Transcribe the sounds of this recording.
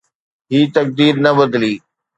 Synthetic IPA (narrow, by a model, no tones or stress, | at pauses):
ɦiːt̪ɐk̚d̪iːɾnɐbɐd̪liː